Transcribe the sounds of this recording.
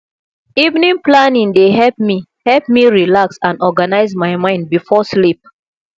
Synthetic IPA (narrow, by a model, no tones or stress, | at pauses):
ivnĩŋplanĩŋdeɦɛlp̚mi | hɛlp̚miɹilaksãnɔɡanaɪzmaɪmãɪ̃nd̚bifɔslip̚